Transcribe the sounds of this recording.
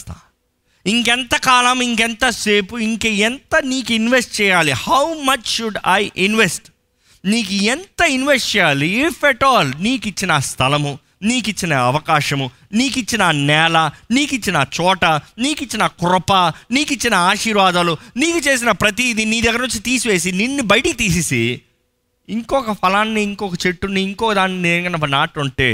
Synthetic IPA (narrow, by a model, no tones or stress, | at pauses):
t̪a̰ː | iŋkɛnt̪ɐkaːlɐmiŋkent̪ɐse̞ːpuiŋkeent̪ɐniːkuinʋesʈ̚t͡ʃɛːjaːlihɐwmɐt͡ʃʃuɖɐjʔinʋesʈ | niːkuent̪ɐinʋesʈt͡ʃɛjaːliifʰɛʈɔːlniːkit͡ʃːinɐst̪ʰɐlɐmu | niːkit͡ʃːinɐɐʋɐkaːʃɐmu | niːkit͡ʃːinɐnɛːlɐniːkit͡ʃːinɐt͡ʃɔːʈɐniːkit͡ʃːinɐkuɾɐpɐniːkit͡ʃːinɐaːʃiːɾʋaːd̪aluniːkut͡ʃe̞ːs̬inɐpɾɐt̪̬id̪iniːd̪ɐɡːɐɾnuɲt͡ʃit̪iːsuʋe̞ːs̬ininːibɐjʈikit̪iːsisi | iŋkɔkɐpʰɐlaːnːiːŋkɔkɐt͡ʃeʈːuniːŋkɔːkɐd̪aːnːinɐŋɡɐnɐpːɐnaːʈuɳʈḛː